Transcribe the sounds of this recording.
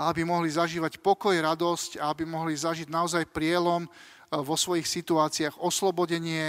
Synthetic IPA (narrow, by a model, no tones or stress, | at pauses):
aabimɔɦlizaʒiːʋacpɔkɔjɾad̪ɔscaabimɔɦlizaʒiɟnaɔzajpɾɪɛlɔm | ʋɔsʋɔjixsit̪uaːt͡siaːɣɔslɔbɔɟɛɲɪɛ